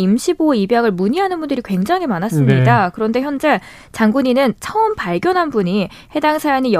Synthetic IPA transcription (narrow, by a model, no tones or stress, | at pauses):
imɕʰiboeibjaɡɯɭmuɲiɦanɯnbundɯɾikwe̞ŋd͡ʑaŋɦimanas͈ɯmɲidakɯɾʌnde̞çjʌnd͡ʑe̞ | t͡ɕaŋɡuɲinɯnt͡ɕʰʌɯmpaɭɡjʌnɦanbuɲi | he̞daŋsʰajanij